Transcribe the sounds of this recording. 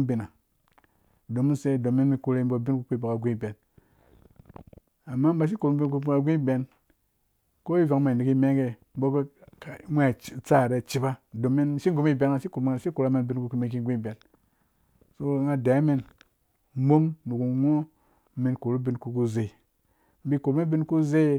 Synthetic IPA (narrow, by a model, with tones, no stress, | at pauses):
bi˨na˨ | do˨mu˦nse˦˨do˨mːi˦nmi˧ku˧ɾe˦bo˨bi˦nku˦k͡pi˦ba˨ka˨ɡʷi˦˨be˨n | a˨mːa˦m˦ba˧ʃ̬i˦ku˨ɾu˦bi˦nku˦ka˧ɡʷi˦˨be˨n | ko˦i˦vʷa˨kma˨i˨ni˨ki˦me˦ŋɡe˨m̩˦bo˦ko˦ka˨˦mʷ˦e˦˨t͡sa˦˨ɾe˦t͡ʃi˦ba˦do˨mːi˦n˦ʃi˦ɡo˦mi˦˨be˨na˨ʃi˦ku˨ɾm˨ŋ˨ʃi˦ku˨ɾa˦me˧nbi˧˦nku˧ku˧mi˨k̬i˧˦ɡʷi˦˨be˨n | so˦ŋa˧da˨˦mi˦n˦ | bo˦mnu˨ku˨ŋʷo˦ | mi˧nko˨ɾu˦bi˧˦nku˨˧ku˦ze˨i˨ | m̩˦bi˧ko˨ɾme˦bi˦nku˦ze˦